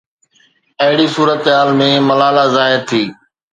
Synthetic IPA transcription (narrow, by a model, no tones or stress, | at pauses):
ɐɦɪɽisuːɾət̪ɦaːlmẽːmɐlaːlazaːɦɪɾt̪ʰiː